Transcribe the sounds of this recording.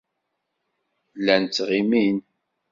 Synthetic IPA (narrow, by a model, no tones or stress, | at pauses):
lːænt͡sːʁimin